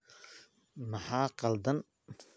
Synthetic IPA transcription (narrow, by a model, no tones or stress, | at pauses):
mɑħaːqɑld̪ɐn